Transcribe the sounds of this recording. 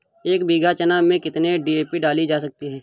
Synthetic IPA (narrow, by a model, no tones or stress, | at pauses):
eːkbiːɡat͡ʃənamẽkɪt̪neɖieːpiɖaːlid͡ʒaːsɐk̚t̪iɦɛː